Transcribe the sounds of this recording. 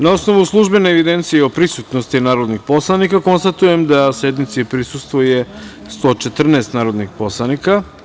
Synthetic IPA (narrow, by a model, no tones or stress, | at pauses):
nao̞sno̞ʋuslˠuʒbe̞neːʋid̪e̞nt̪sijeo̞pɾisut̪nost̪inaːɾod̪nixpo̞slˠanikako̞nst̪at̪ujemd̪ase̞d̪mit̪siepɾisust̪ʋoje̞ | st̪o̞ːt͡ʃe̞t̪r̩nɛst̪naːɾo̞d̪nixpo̞slˠanika